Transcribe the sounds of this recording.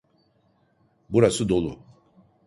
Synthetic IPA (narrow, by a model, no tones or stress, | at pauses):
buɾasɯd̪o̞lˠṵ